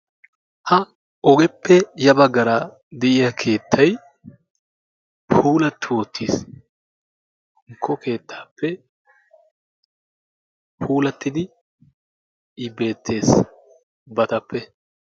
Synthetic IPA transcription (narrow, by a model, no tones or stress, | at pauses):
hɐ | ɔɡɛpːɛjɐbɐɡːɐɾɐ | d̪ɛʔɪjakʰe̞ːt̪ʰːɐj | pʰuːlɐt̪ːɪwɔt̪ʰːiːs | ŋkʰːɔke̞ːt̪ʰːḁːpːɛ | pʰuːlɐt̪ːɪd̪ɪ | be̞ːt̪ʰːe̞ːs | bɐt̪ɐpːɛ